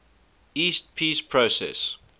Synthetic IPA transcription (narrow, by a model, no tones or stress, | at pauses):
iːst̚pʰiːspʰɹosɛ̰s